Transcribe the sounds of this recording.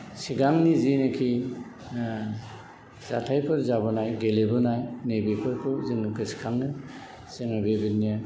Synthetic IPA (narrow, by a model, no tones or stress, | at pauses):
siɡaŋnizinɯkʰi | za̰tʰajpʰɯɾzabɔnajɡelebɯnajnejbipʰɯɾpʰɯzinːukʰɯsi̥kʰaŋnɯ | semɯbebitnija